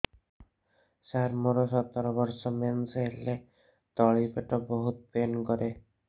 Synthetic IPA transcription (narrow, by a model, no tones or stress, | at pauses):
ʃaɾmoɾoʃɔt̪ːoɾobɔɾʃɔmensɦele | t̪ɔɭipeʈɔboɦut̪penkɔɾʔe